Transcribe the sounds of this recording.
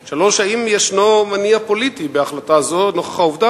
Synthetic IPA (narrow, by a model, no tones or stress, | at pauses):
ʃaloʃaimjeʃnomaniapo̞lit̪ibeaχlatazonoχḁχauvda